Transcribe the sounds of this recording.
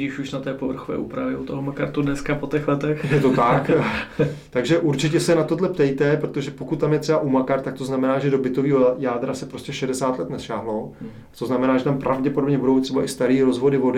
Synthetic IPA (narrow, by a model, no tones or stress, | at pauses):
iːʃuʃnat̪ɛːpovr̩xovɛ̰ːʔṵːpɾavjɛut̪oɦomakaɾt̪udnɛskapot̪ɛxlɛt̪ɛxjɛt̪ot̪ak | t̪aɡʒɛʔuɾt͡ʃɪcɛsɛnat̪odlɛpt̪ɛjt̪ɛpɾot̪oʒɛpokut̪̚t̪ːamjɛt̪rɛbaʔumakaɾt̪ːak̚t̪oznamɛnaːʒɛdo̞bɪt̪o̞viːɦojaːd̪ɾasɛpɾo̞stcɛʃɛdɛsaːt̪lɛt̪nɛsʃaːɦlo̞ | t̪o̞znamɛnaːʒɛt̪ampɾʔavɟɛpo̞dobɲɛbudowt̪r̥ɛbaʔɪst̪aɾiːɾo̞zvo̞dɪvo̞dɪ